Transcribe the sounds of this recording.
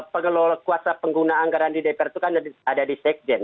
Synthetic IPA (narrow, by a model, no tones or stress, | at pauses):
pəŋəlɔlɔkuasapəŋɡunaːŋɡaɾandidɛpɛrt̪ukanadadisɛk̚d͡ʒɛn